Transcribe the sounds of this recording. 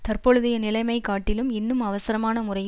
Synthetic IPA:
t̪ɐrpɔɻɯðɪjɐnɪlɐɪmɐɪkaːʈːɪlɯmɪnːɯmɐʋɐsɐɾɐmaːnɐmʊrɐɪj

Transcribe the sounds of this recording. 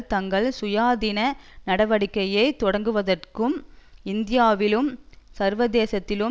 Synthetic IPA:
t̪ɐŋɡɐɭsʊjaːðɪnɐnɐɽɐʋɐɽɪkːɐjɐɪt̪ɔɽɐŋɡɯʋɐðɐrkɯmɪnd̪ɪjaːʋɪlɯmsɐɾʋɐðeːsɐt̪ːɪlɯ

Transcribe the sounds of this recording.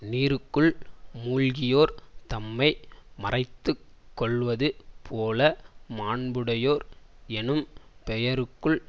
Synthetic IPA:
niːɾɯkːɯɭmuːɻɣɪjoːɾt̪ɐmːɐɪmɐrɐɪt̪ːɯ | kːɔɭʋɐðɯpʰoːlɐmaːɳbɯɽɐjoːɾɛnɯmpɛjɐɾɯkːɯɭ

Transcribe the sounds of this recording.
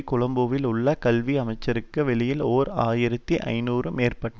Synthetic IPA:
kʊɭɐmboʋɪlʊɭːɐkɐlʋiɐmɐɪt͡ʃːɐɾɯkːɯʋɛɭɪjɪloːɾaːjɪɾɐt̪ːiʔɐ̰ɪnuːrɯmeːrpɐʈːɐ

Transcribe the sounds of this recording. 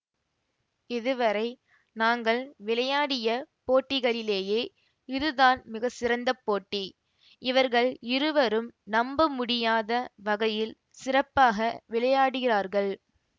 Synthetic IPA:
ɪðɯʋɐɾɐɪ | naːŋɡɐɭʋɪɭɐjaːɽɪjɐpoːʈːɪɣɐɭɪleːjeː | ɪðɯðaːnmɪɣɐsɪɾɐnd̪ɐpːoːʈːi | ɪʋɐɾɣɐɭɪɾɯʋɐɾɯmnɐmbɯmʊɽɪjaːðɐʋɐɣɐjɪl | sɪrɐpːaːɣɐʋɪɭɐjaːɽɯɣɪraːɾɣɐɭ

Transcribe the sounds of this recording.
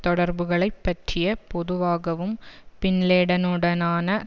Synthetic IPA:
t̪ɔɽɐɾbɯɣɐɭɐɪpːɐʈrɪjɐpɔðɯʋaːɣɐʋɯmpɪnleːɽɐnɯɽɐnaːnɐ

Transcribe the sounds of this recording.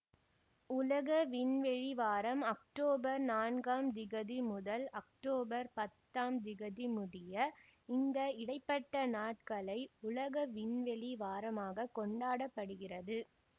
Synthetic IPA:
ʊlɐɣɐʋɪnʋɛɻiʋaːɾɐmɐk̚ʈoːbɐɾnaːnɡaːmd̪ɪɣɐðimʊðɐlɐkʈoːbɐɾpɐt̪ːaːmd̪ɪɣɐðimʊðɪjɐɪnd̪ɐɪɽɐɪpːɐʈːɐnaːʈ̚kɐɭɐɪʊlɐɣɐʋɪnʋɛɻiʋaːɾɐmaːɣɐkɔɳɖaːɽɐpːɐɽɯɣɪrɐðɯ

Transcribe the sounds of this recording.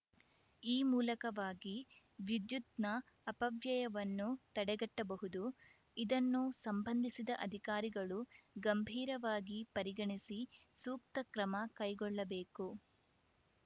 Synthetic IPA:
iːmuːlɐkɐʋaːɡi | ʋid̪jut̪nɐː | pɐʋjɐjɐʋɐnːut̪ɐɽɛɡɐʈːɐbɐɦud̪u | id̪ɐnːusɐmbɐnd̪ʱisid̪ɐʔɐd̪ʱikaːɾiɡɐɭuɡɐmbʱiːɾɐʋaːɡipɐɾiɡɐɳisisuːk̚t̪ɐkɾɐmɐkɐjɡɔɭːɐbeːku

